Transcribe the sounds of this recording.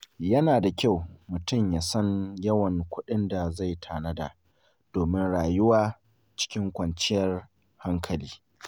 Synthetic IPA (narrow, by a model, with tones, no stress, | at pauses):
jɐ˦naː˨da˨kʲa˦˨wmʊ˨tʊ˦˨mjaː˨sɐ˦njɐ˦wɐ˨ŋkʷʰʊ˦ɗɪ˦nda˨za˦˨jtʰaː˨nɐ˦da̰˨ | d̥oː˨mɪ˦nɽaː˨jʊ˦waː˦ | t͡ʃɪ̥˦kʲɪ˦ŋkʷɐ˨nt͡ʃɪ˦jɐ˦r | ha˦ŋkʰɐ˨liː˦